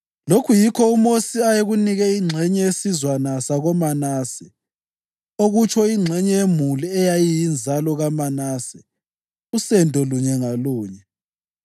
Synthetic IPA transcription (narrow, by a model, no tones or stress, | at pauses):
lokʰujikʰɔumosiajeɣuniɣɛiŋ͡ǀʱɛɲɛesizwanasaɣɔmanaːsɛ | oɣut͡ʃʰɔiŋ͡ǁʱɛɲɛjemuliɛjajijind͡zʱalɔɣamanaːsɛ | usɛndʱɔluɲɛŋaluːɲɛ